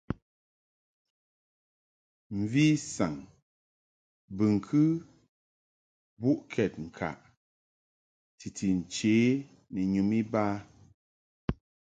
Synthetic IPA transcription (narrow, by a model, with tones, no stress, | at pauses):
m̩˨vi˦sa˨ŋ | bɨ˨ŋ̩˨kʰɨ˦ | bu˦ʔkʰɛ˨t̚ŋ̩˨kʰa̰˨ʔ | ti˨tʰi˨n̩˨t͡ʃeː˨˦ | nɛ˨ɲu˨mi˦baː˦